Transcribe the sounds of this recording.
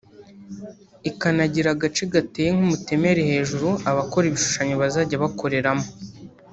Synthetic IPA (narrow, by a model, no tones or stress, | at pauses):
ikanaɟiɾaɡat͡ʃiɡatejeŋ̥umute̞me̞ɾe̞he̞ːʒuɾuaβako̞ɾiβiʃu̥ʃaɲoβazaɟaβako̞ɾe̞ɾamo